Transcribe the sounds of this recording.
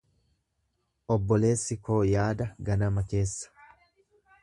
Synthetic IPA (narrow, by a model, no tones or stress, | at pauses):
ʔɔbːɔle̞ːsːɪko̞ːjaːd̪ɐɡɐnɐmɐke̞ːsːɐ̥